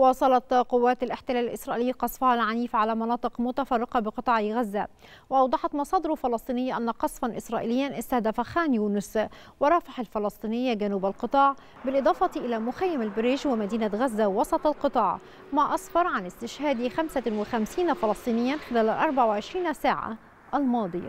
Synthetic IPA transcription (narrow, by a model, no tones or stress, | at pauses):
wɑːsˤɑlɑt̪qʊwːaːt̪alʔɪħt̪ɪlaːlɪlʔɪsɾˤɑʔiːliːqɑsˤfɑhalʕaniːfʕalamɑnɑːt̪ˤɨqmʊt̪afɑrˤːɪqɑbɪqɨt̪ˤɑːʕiɣazːa | wɪʔɑwd̪ˤɑħɑt̪mɑsˤɑːd̪ɪɾʊfɑlɑsˤt̪ˤiːnɪjːaʔanːaqɑsˤfɑnʔɪsɾˤɑːʔḭlɪjːanʔɪst̪ahd̪afaxaːnjuːnʊs | wɑɾˤɑːfɑħalfɑlɑsˤt̪ˤiːnɪjːaɡanuːbalqɨt̪ˤɑːʕ | bɪlʔɨd̪ˤɑːfɑt̪iʔɪlamʊxæjːamalbɪɾiːʒwɪmæd̪iːnaɣazːawɑsˤɑt̪ˤɑlqɨt̪ˤɑːʕ | maʔɑsfɑɾˤʕanɪst̪ɪʃhaːd̪ixamsawɪxamsiːnafɑlɑsˤt̪ˤiːnɪjːanxɪlæːlɪlʔɑɾˤbaʕwɪʕɪʃɾiːnsaːʕa̰ | ʔælmɑːd̪ˤɨja̰